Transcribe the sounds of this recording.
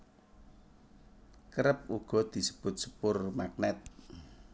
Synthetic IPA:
kəɾəp̚uɡ̥ɔ̤d̪̥i̤sə̥b̥ʊ̤t̪̚sə̥pʊrmak̚nɛt̪̚

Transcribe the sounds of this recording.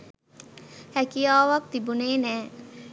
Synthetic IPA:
hækijaːʋak̚t̪ibuneːnɛː

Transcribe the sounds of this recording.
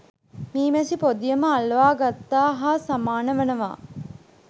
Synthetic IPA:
miːmesipod̪ijɐməɐlʋaːɡɐt̪ːaːɦaːsɐmaːnɐʋɐnɐʋa̰ː

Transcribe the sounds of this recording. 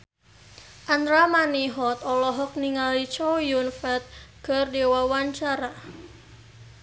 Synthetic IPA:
ʔand̪ɾamaniɦɔt̪ɔlɔɦɔk̚niŋalit͡ʃɔjunfɛt̪̚kɨrdewawaɲt͡ʃaɾa

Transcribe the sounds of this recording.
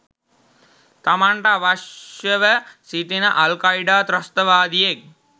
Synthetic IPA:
t̪ɐmaɳʈaːʋaʃjɐʋəsit̪inɐʔɐlkaiɖaːt̪ɾɐst̪ɐʋaːd̪ijeːk̚

